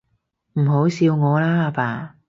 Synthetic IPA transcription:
m̩˨˩ɦo˨˥wsiː˧wŋɔː˨˧laː˥a˧paː˨

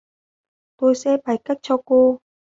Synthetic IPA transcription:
t̪o˧jsɛ̰˧˥ɓa˨˩jka˦˥jk̚t͡ɕɔ˧ko˧

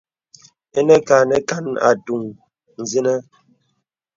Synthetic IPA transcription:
e˦nə˦ka˨nə˦ka˦na̰˨tu˨ŋ | n̩˨zi˦nə˦

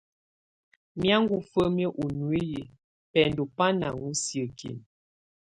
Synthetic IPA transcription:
mja˦ŋ˦ɡu˦fə˦mjə˦ʔu˨nu˨i˦ji˨ | pɛ˨n˦do˨pa˦na̰˨ŋu˦si˨ə˨kʰḭ˨n

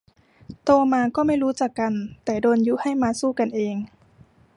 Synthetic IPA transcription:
t̪oː˧maː˧kɔː˥˩ma˥˩jɾuː˦˥t͡ɕaː˨˩kːa˧nt̪ɛː˨˩doː˧nju˦˥ha˥˩jmaː˧suː˥˩ka˧nʔeː˧ŋ

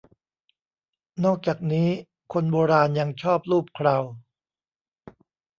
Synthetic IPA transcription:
nɔː˥˩k̚t͡ɕaː˨˩k̚niː˦˥ | kʰo˧nboː˧ɾaː˧nja˧ŋt͡ɕʰɔː˥˩p̚ɾuː˥˩p̚kʰɾaː˧w

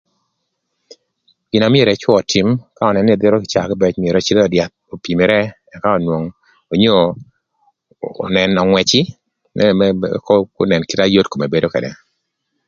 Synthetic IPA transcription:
ɡ̥ɪ˨na˨mɪ˦e˨ɾe˨t͡ʃwɔ˦ɔ˨tʰi˨mka˦ɔ˨nɛ˨ne˨d̪ɪ˦ɾo˦kɪ˨t͡ʃa˨kɪ˦bɛ˦t͡ʃmɪ˨e˨ɾɔ˨˦t͡ʃi˦dɔ˨dja˨t̪̚o˨pi˨me˨ɾɛ˦ | ɛ˨ka˦o˨nwo˨ŋ | o˨ɲo˦˨ | nɛ˨nɔ˨ŋwɛ˨t͡ʃɪ˦ | mɛ̰˦kɔ˦ko˦nɛ˨nkɪ˦ta˦jo˦tko˨me˨be˦do˦kɛ̰˨dɛ̰˨

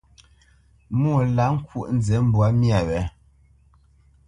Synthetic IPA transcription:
mu˦˨la˨˦ŋ̩˦kwṵ˦˨ʔn̩˦zɛ˨˦m̩˦bwa˨˦mja˨wɛ˨˦

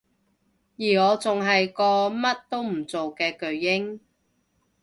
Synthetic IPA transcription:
jiː˨˩ŋɔː˨˧t͡sʊ˨ŋɦɐ˨jkɔː˧mɐ˥t̚t̪o˥wm̩˨˩t͡so˨wkɛː˧kɵ˨˧ɥːɪ˥ŋ

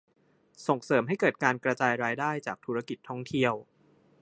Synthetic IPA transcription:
so˨˩ŋsɤː˩˦mɦa˥˩jkɤː˨˩t̪̚kaː˧nkɾa˧t͡ɕaː˧jɾaː˧jdaː˥˩jt͡ɕaː˨˩k̚t̪ʰuː˦˥ɾa˦˧ki˨˩t̪ʰːɔ˥˩ŋt̪ʰi˥˩əw

